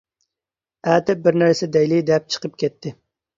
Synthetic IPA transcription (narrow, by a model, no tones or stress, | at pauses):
æːt̪ɪp̚bɪɾnæɾsɛd̪ɛjlid̪ɛp̚t͡ʃʰə̥qʰəp̚kʲɛt̪ʰːɪ